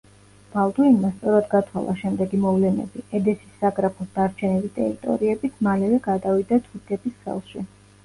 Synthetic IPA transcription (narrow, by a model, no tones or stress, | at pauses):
b̥alˠd̪uinmast̪sʼɔɾad̪ɡat̪ʰwa̰lˠa̰ʃɛmd̪ɛɡimɔvlɛnɛ̰biɛd̪ɛsi̥sːaɡɾapʰɔsd̪aɾt͡ʃʰɛnilit̪ʼɛ̰ɾit̪ʼɔ̰ɾiɛbit̪ʰmalɛvɛɡad̪avid̪at̪ʰud̪ɛbisχɛ̰lˠʃi